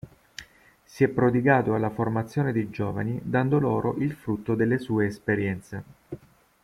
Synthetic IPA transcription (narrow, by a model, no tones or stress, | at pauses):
siɛpːɾod̪iɡaːt̪oalːaformat̪sːjoːned̪ejd͡ʒoːva̰nid̪and̪oloːɾoʔilfɾut̪ːod̪elːesuːeːspeɾjɛnt̪se